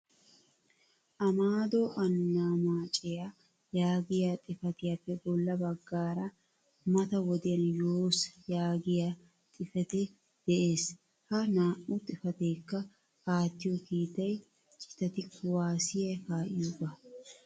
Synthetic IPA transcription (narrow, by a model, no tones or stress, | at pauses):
ʔɐmaːd̪ɔʔɐnːaːmaːt͡ʃʼɛja | jaːɡɪjaːt̪ʼɪfɐt̪ɪjapːɛbɔlːɐbɐɡːaːɾɐ | mɐt̪ɐwɔd̪ɪjɐnjoːsjaːɡɪja | t̪ʼɪfɛt̪ɛ | d̪̥ɛʔe̞ːs | hɐnaːʔʊt̪ʼɪfɐt̪eːkːɐ | kaːt̪ːɪjɔkiːt̪ːɐj | t͡ʃʼɪ̥t̪ɐt̪ɪkʊwaːsɪjɐjkaːʔɪjubɐ